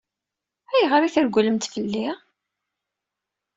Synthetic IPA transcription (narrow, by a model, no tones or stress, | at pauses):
æjʁəɾiθəɾɡʷləmt̪fəlːi